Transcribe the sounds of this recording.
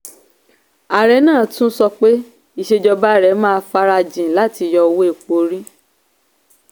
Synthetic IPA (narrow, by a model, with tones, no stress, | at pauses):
a˨ɾɛ˨˦nãː˦˨tũ˦sɔ˧k͡pe˦ | i˨ʃe˧d͡ʒɔ˧ba˦˨ɾɛ˨˦mãː˦˧fa˦ɾa˧d͡ʒĩ˨la˦ti˧jɔ˧wo˦e˦˨k͡po˧˦ɾĩ˦